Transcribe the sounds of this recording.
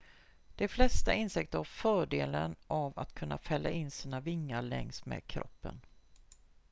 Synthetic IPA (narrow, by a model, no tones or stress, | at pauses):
d̪̥ɛflɛst̪aɪnsɪk̚t̪əɾhaɾfœːɖeːlənʔava̰t̪kʰɵnːafɛlːaʔɪnːsiːnavɪŋːaɭɛŋst̪mḛːd̪̚kʰɾɔ̰pːə̰n